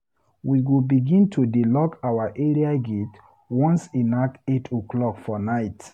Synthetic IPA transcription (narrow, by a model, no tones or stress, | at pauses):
wiɡobiɡĩntʰudilɔkawaʔeɹiaɡet | wɔ̃nsĩnaketʰoklɔkfɔnaɪt